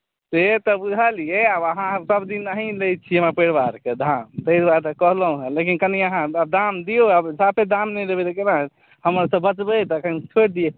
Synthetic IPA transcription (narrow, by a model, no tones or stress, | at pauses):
t̪et̪ɔbud͡ʒʱalijeabəɦãsəbd̪inːaɦĩlɛjt̪̚t͡ʃʰiemapeɽbaɾked̪ʱamt̪əiɾbad̪kəɦləɦũɦẽlek̬inkəniəɦãab̚d̪amd̪ioabd͡ʒʱapʰed̪amnɛɾebelekena | həmɾasəbbət͡ʃbɛt̪əkʰənt͡ʃʰoʈ̚d̪ie